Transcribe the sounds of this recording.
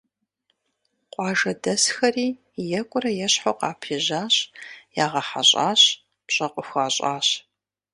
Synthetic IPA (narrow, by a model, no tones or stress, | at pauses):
qʷʼɑːʒɐdɐsxɐriː | jɛkʷʼʊɾɐjɛɕħoqɑːpʰiʑaːɕjaːʁɐħa̰ɕʼa̰ːɕ | pɕʼɐqʷʼʊxʷaːɕʼa̰ːɕ